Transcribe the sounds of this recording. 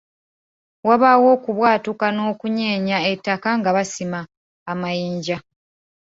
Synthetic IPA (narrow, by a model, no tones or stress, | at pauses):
waβawo̞ːkuβwaːtukano̞ːkuɲe̞ːɲaetːakaŋɡaβasimaː | majiːɲɟa